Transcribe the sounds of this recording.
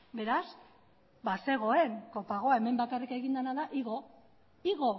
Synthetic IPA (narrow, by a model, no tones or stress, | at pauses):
be̞ɾas | base̞ɣ̞o̞e̞ŋko̞paɣ̞o̞ae̞me̞mbakarike̞ɣind̪anaðaʔiɣo | iɣo̞